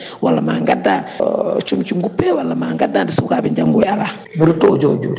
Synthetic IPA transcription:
walːama̰ŋɡadat͡ʃumt͡ʃiŋɡupːɛwalːamaŋɡadandisukabiɲd͡ʒaŋɡuala | miɾitod͡ʒod͡ʒo̰ɾi

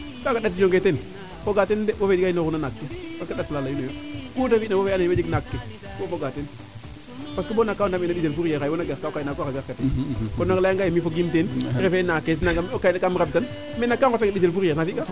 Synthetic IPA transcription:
kakaɗat̬d͡ʒoŋɡeten | foɡatendebofed͡ʒiɡajinoɾunanakːepaskaɗatːlalajunojokutafinabofaneed͡ʒiɡnakːe | bofoɡaten | paskibonakːawdamɛnabiselfuɾaɾajwonaɡaɾkakajnakoɾaɡaɾkatenbonaklajaŋɡajemifoɡimtenɾefenakːes̬naŋɡamokajnakamɾab̚tan | mɛnːakːaŋkotːaŋabis̬elfuɾjenafiɡa

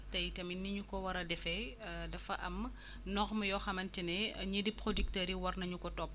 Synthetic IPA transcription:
tɐjtɐminːiɲukɔwɐɾɐdɛfɛdɐfɐʔɐm | nɔxmɐjɔxɐmɐntinɛɲədipɾodik̚tɐːɾiwɐrnɐɲukɔtɔp̚ː

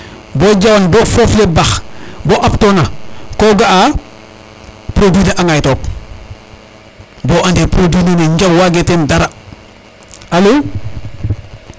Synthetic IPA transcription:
boɟawanbɔːfoflebaxbɔʔaptonakoːɡaʔa | pɾodineʔaŋajtoːk̚ | bɔʔandepɾodiːnineɲɟawwaɡetendaɾa | alo

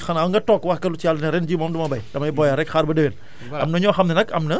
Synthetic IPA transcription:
xɐnɐwŋɡɐtɔːkːwɐxkɐlut͡ʃialnɐɾɛnd͡ʒiːmɔmdumɐbɐjdɐmɐjbɔjɐɾɛkxaːɾbɐdewen | ɐmnɐɲɔːxɐmnɛnɐkɐ̰mnɐ

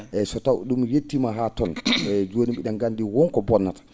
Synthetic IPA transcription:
ʔɛsɔtawɗumjetːimaɦatɔnɛd͡ʒoːniɓiɗanɡandiwɔnkɔbɔnːatḁ

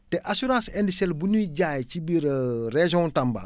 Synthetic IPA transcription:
tɛʔasuɾãːsɛndisɛlbuniɟaːjcibiɾreʒɔ̃tamba̰

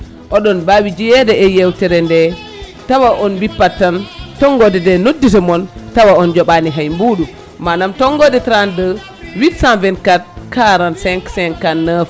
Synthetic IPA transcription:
ʔɔɗɔnbawid͡ʒijɛdɛɛjɛwtɛɾɛndɛ | tawaʔɔnbipːatːantɔŋɡɔdɛdɛnodːitɔmɔntawaɔnd͡ʒɔɓaniɦajmbuɗu | manamtɔŋɡɔdɛtɾandə | witsanvɛnkat̚kaɾansɛŋksɛŋkanːaf

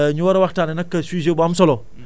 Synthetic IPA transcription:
ɲuwaɾawaktaninakːasʷiʒebamsolo

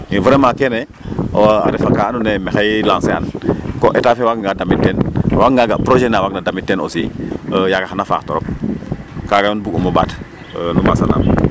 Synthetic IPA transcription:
invuɾemakene | oa̰ɾɛfakaːnunemexajlãːnsea̰nkoʔetafewakŋɡadamitːenwakŋɡaɡapɾoʒenawaknadamitːeno̰siəjaɡaxanafa̰ːktoɾɔp̚ | kaɡaonbuɡumoba̰t | numasa̰na̰m

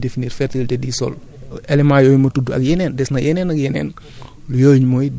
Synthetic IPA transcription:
definiːɾfɛɾtiltɛdisɔ̰l | ɛlɛmajɔːjmɐtuduɐ̰kjɛnɛːndɛsnɐjɛnɛːnɐk̚jɛnɛ̰ːn | lujoːɲmɔj

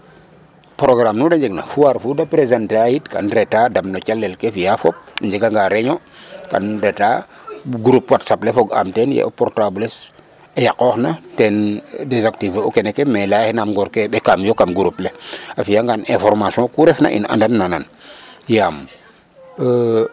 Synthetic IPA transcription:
pɾoɡɾamnudaɲd͡ʒɛɡna̰fuwaɾfudapɾezantajitka̰nɾɛtadamnɔt͡ʃalːɛlkefijafɔp̚ɲd͡ʒɛɡaŋɡaɾɛɲɔka̰nɾɛta̰ː | ɡuɾupwatsaplɛfɔɡa̰mtɛnjɛ̰ʔopɔɾtabules | ejakɔxnatɛndezaktiveokɛnɛkɛmɛlahnamɡɔɾkeɓekamjokamɡuɾupleafijaŋɡanʔɛ̃fɔɾmasjɔ̃kuɾɛfna̰ʔḭna̰ndanːanan | jam

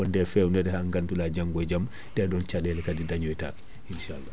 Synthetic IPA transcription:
ɔndɛfɛunɛdɛhaŋɡandulad͡ʒaŋɡɔd͡ʒam | dɛdɔnt͡ʃadɛlɛkadidaɲɔjta̰k | inʃalːa

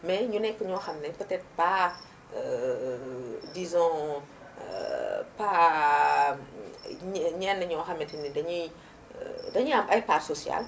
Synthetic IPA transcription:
mɛɲunɛkːəɲɔːxɐmnɛpətɛt̪əpa | dizɔ̃ | pa | ɲɲɛnːɐɲɔwxɐmːɛtinidɐɲu | dɐɲuɐmɐjparsosja̰l

